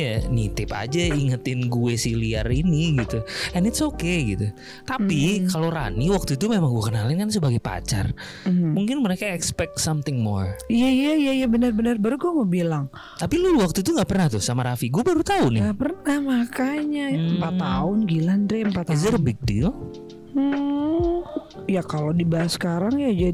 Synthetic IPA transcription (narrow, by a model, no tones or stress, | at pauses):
janit̪ɪpa̰d͡ʒaiŋət̪ɪnɡuɛsilia̰riniɡit̪uɛnɪtsokeɡit̪u | t̪apikaloɾa̰niwak̚t̪ut̪umemaŋɡuakənalɪnkansəbaɡajpa̰t͡ʃa̰r | muŋkɪnməɾekaɛkspɛk̚tsamt̪ɪŋmɔ̰rijaijaijaijabənərbənərbaɾuɡuamobilaŋ | t̪apiluwak̚t̪ut̪uŋɡaʔpərnaht̪ʊhsamaɾafiɡuabaɾut̪aunɪŋɡapərnahmakaɲajəmpat̪ːaʊnɡilanɾɛəmpat̪ːazərbik̚dil̩ | jakalodibaasə̥kaɾaŋjad͡ʒa